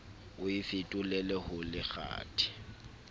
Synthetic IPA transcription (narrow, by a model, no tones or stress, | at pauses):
ʊifɪtʼʊlɛlɛhʊlɪɣa̰ːtʰʼi̥